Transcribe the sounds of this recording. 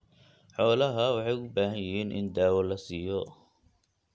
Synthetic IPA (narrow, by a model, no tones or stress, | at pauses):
ħɔːlɐɦɐwɑħɑjʊbaːɦɐnjɪɦiːnʔɪ̰nd̪aːwɔlɐsiːjɔ